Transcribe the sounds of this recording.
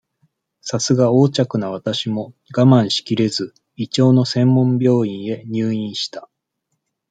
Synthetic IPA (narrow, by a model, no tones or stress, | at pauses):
sasɨɡao̞ːt͡ɕakɯ̟naβ̞at̪aɕimo̞ | ɡamãɰ̃ɕi̥kʲiɾe̞zɨ | it͡ɕo̞ːno̞sẽ̞mːõ̞mbʲjo̞ːĩɰ̃e̞ɲ̟ɨːĩɰ̃ɕi̥t̪ḁ